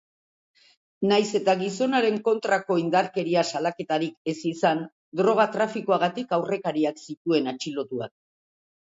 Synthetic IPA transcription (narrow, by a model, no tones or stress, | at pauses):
najse̞t̪aɣiso̞naɾe̞ŋko̞nt̪ɾako̞ind̪aɾke̞ɾiasalake̞t̪aɾike̞sisan | d̪ɾo̞ɣ̞at̪ɾafikoaɣat̪ikawre̞kaɾiaksit̪ue̞nat͡ʃilo̞t̪ua̰k̚